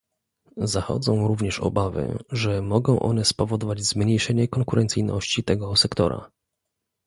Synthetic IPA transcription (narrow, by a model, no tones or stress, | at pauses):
zaxɔ̰d̪zɔ̃w̃ɾuvɲɛʂɔ̰bavɘ̰ʐɛmɔɡɔ̃w̃ʔɔ̰nɛspɔvɔd̪ɔvad͡ʑzmɲejʂɛɲɛkɔŋkuɾʔɛnt̪sɘjnɔɕt͡ɕit̪ɛɡɔsɛkt̪ɔ̰ɾa̰